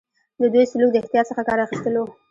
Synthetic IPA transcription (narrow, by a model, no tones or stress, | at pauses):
d̪əd̪ujsʊluk̚d̪əɪxt̪jɑt̪səxakɑɾaxist̪əlo